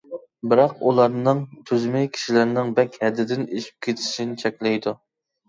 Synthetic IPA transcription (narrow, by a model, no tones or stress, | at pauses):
bɪɾɑqulˠɑɾnɨŋt̪ʰyzmɛjkʲʰi̥ʃilɪɾnɪŋbɛkʲhɛd̪ːɪd̪ɪneʃi̥p̚kʲʰet̪ʰɪ̥ʃinɪt͡ʃʰɛkʲlɛjd̪u